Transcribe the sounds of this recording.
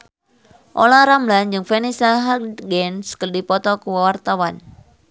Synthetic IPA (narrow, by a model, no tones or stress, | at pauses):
ʔolaɾamland͡ʒɨŋfenisaɦaɡɛnskərdipɔt̪ɔkuwawart̪awan